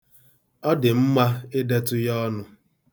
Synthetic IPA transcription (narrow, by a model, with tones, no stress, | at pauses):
ɔ˦dɪ˨m̩˦ma˦ɪ˦de˦tʊ˦jɔ˦nʊ˦